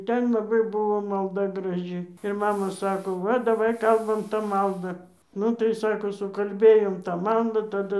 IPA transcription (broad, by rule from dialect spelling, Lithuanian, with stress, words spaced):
ˈtʲɛn lˠɐˈbɐɪ ˈbʊʋoː mɐlˠˈdɐ ɡrɐˈʒʲɪ ɪr ˈmɑːmɐ ˈsɑːkoː ˈʋɐ dɐˈʋɐɪ ˈkɐlˠbɐm tɑː ˈmɐlˠdɑː ˈnʊ tɐɪ ˈsɑːkoː sʊkɐlʲˈbʲeːjoːm tɑː ˈmɐlˠdɑː tɐˈdʊ